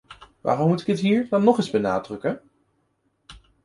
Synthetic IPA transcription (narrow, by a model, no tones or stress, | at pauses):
ʋa̰ːrɔmːutɪ̥kətɦiːɹdɑnːɔχɪzbəna̰ːdrɵkən